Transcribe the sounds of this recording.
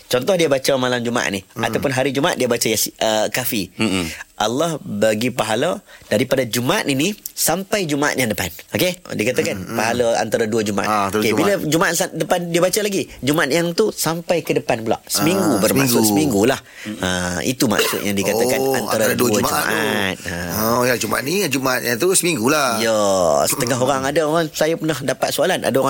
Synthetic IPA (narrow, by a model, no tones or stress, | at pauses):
t͡ʃɔnt̪ɔhdiabat͡ʃamalamd͡ʒumaa̰ʔ̪nia̰t̪awpʊnɦaɾid͡ʒumaa̰t̪̚diabat͡ʃajasəkafi | ʔalːahbaɡipaɦaləd̥aɾipadad͡ʒumaat̪inisampajd͡ʒumaa̰ʔ̪̚jaŋdəpanokedikat̪akanpaɦaləa̰nt̪aɾaduəd͡ʒumaʔa̰okebiləd͡ʒumaʔat̪sadəpandiabat͡ʃalaɡid͡ʒumaat̪̚jaŋt̪usampajkədəpanbəla̰ʔsəmiŋɡubərmasʊʔəmĩŋɡulah | əḭt̪uma̰ksʊ̰t̪̚jaŋdikat̪akana̰naɾaɾduamd͡ʒumaʔa̰t̪̚əjad͡ʒuma̰a̰t̪niad͡ʒumaat̪̚jat̪usəmiŋɡulajəsə̥t̪əŋaɦoɾaŋadaoɾaŋsajapənahdapat̪̚soalana̰daoɾã